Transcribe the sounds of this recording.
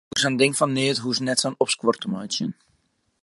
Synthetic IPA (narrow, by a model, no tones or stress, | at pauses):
əsandɪŋfɑnːeətɦusənɛtsanɔpskwɔrtəmœjtsjə̰n